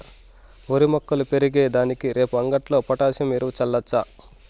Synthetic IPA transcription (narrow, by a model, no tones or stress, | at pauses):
oɾimɐkːɐlupe̞ɾiɡeːd̪aːnikiɾe̞ːpuɐŋɡɐʈlo̞ːpɐʈaːsjɐmeɾuut͡ʃɐlːɐt͡ʃːa